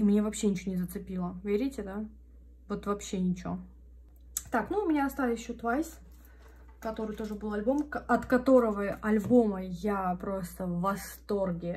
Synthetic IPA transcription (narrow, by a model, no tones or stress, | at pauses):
imnʲe̞vɐpɕːenʲɪt͡ɕonʲɪzət̪sɨpʲilˠəvʲeɾʲɪtʲɪd̪a | vo̞t̪vɐpɕːenʲɪt͡ɕo | t̪aknuʊmʲɪnʲaɐst̪avʲɪɕːʊt̪vajsʲ | kɐt̪o̞ɾɨjt̪o̞ʐɨbɨlˠɐlʲbo̞mkɐt̪kɐt̪o̞ɾəvəɐlʲbo̞məjapɾo̞st̪əvvɐst̪o̞rɡʲɪ